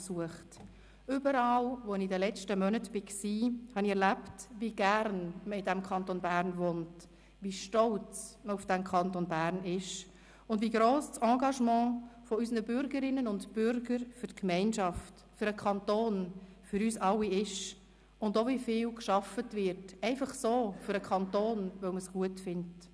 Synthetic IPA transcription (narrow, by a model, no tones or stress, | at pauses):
suəχt | ʏbəɾɑːlʋoɪnidəlɛt͡ʃtəmœnətb̥ɪksiːhɑniɛɾlæptviɡæɾnməɪdæmkʰɑntonbæːɾnvont | vʋiʃtɔlt͡st͡sməufd̥ɛmkʰɑntonbæːɾnɪʃ | ʊndviɡɾoːssɑ̃ːɡɑʃmɑ̃ːfɔysnəbʏɾɡəɾɪnːənʊntbʏɾɡəɾfʏɾtkmɛɪnʃɑft | fʏɾəkʰɑntoːn | fyɾyːsɑlːiɪʃ | ʊndovifɪːlkʃɑfətvɪɾtɛɪfɑχsoːfʏɾəkʰɑntoːnvœʊməsɡ̥uətfɪnt